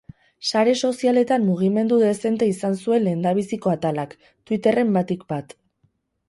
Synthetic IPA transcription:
saɾe̞so̞siale̞t̪amːuɣ̞ime̞nd̪uðe̞se̞nt̪e̞isansue̞nle̞nd̪aβ̞isiko̞at̪alak | t̪wit̪e̞re̞mbat̪ikbat̪

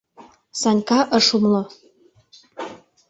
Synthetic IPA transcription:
sɑnʲkɑʔəʃumlo

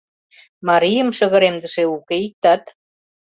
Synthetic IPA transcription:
mɑɾijə̆mʃə̆ɣə̆ɾemd̪ə̆ʃeukeik̚t̪ɑt̪

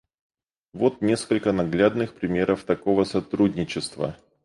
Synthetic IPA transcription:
vo̞t̪nʲe̞skəlʲkənɐɡlʲad̪nɨxpɾʲɪmʲe̞ɾəft̪ɐko̞vəsɐt̪ɾudʲnʲɪt͡ɕɪst̪və̰

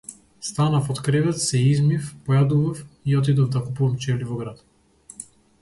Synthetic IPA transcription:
st̪anafɔt̪kɾɛvɛt̪sɛizmifpɔjad̪uvafiɔt̪̬id̪ɔvd̪akupuvamt͡ʃɛlivɔɡɾat̪

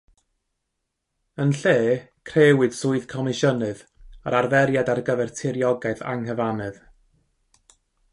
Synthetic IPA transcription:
ənɬeːkʰreːwɨd̥sʊːɨðkʰɔmɪʃənɨða̰ɾʔarvɛɾjadarɡəvɛrtʰɪɾjɔɡaɨθa̰ŋhəvanɨð

